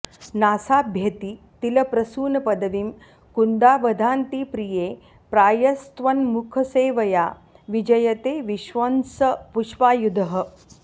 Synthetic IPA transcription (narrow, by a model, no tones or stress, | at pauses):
naːsaːbʱjɐt̪iː | t̪ilɐpɾɐsuːnɐpɐd̪ɐʋim | kund̪aːʋɐd̪ʱaːnt̪iːpɾijeː | pɾaːjɐst̪ʋɐnmukʰɐseːʋɐjaː | ʋid͡ʒɐjɐt̪eːʋiʃʋɐnsɐpuʃʋaːjud̪ʱɐɦɐ̆